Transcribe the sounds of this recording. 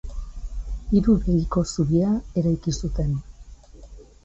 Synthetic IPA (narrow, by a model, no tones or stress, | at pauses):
iɾuβeiko̞suβiae̞ɾajkisut̪e̞n